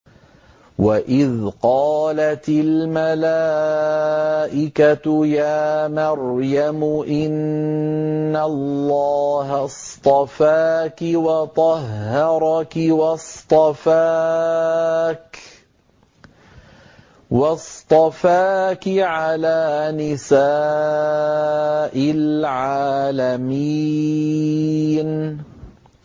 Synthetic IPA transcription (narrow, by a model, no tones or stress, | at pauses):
waʔɪðqɑːlat̪ɪlmalaː | ʔɪkajaːmɑɾjamʊʔɪnː | alːɑːɦast̪ˤɑfaːkɪwɑt̪ˤɑɦːɑɾˤɑkɪwɑst̪ˤɑfa | k | wɑst̪ˤɑfaːkɪʕalaːnɪsaː | ʔɪlʕaːlami | n